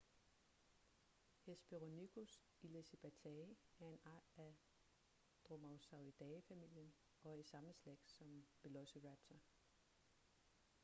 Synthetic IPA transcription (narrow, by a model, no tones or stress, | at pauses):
hesb̥eʁoniɡ̥ʰus | ileseb̥æt͡sʰɛæɐe̝nʔɑ̈ːd̥æ | d̥ʁomɑ̈ʊsɑ̈ʊid̥ɛɪfæmil̰jən | ɒ̽æsɑ̈məsleɡ̥sɒ̽mb̥e̝lɔsiʁæb̥t͡sʰɐ